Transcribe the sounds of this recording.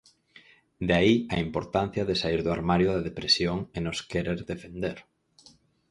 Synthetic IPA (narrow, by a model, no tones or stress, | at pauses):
d̪aiaimpoɾt̪an̟θjɐðesaiɾðʊaɾmaɾjʊðaðepɾesjoŋenoskeɾeɾðefend̪eɾ